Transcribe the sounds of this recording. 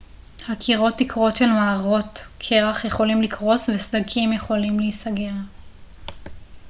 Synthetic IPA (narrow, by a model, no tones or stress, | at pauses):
hakʰiʁo̞tːikʁo̞tʃe̞lmaːʁo̞tkʰe̞ʁaχjeχo̞limlikʁo̞svesd̪akʰimjeχo̞limlisaɡea